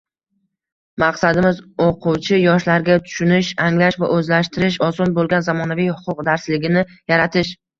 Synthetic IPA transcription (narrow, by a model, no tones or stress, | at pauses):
maqsad̪ɪmɪzoqʰʊwt͡ʃʰɪjɒʃlaɾɡʲat̪ʰʊ̥ʃʊnɪʃaŋlaʃva̰ʔɵzlaʃt̪ɪɾɪʃ̬ɒsɒnbolɡʲanzamɒnavijhʊ̥qʰʊqd̪aɾslɪɡʲɪnɪjaɾat̪ʰɪʃ